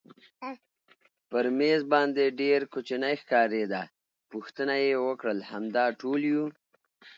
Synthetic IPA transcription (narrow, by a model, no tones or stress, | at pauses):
pəɾmezbɑnd̪eɖeɾkot͡ʃinəjxkɑɾed̪a | puxt̪ənajewəkɽəlhamd̪ɑʈolju